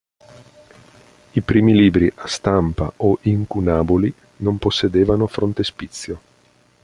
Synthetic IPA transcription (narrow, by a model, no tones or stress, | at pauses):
ipɾiːmiliːbɾiʔast̪ampa̰ʔoʔiŋkunaːboli | nomposːed̪eːvanofɾont̪espit̪sːjo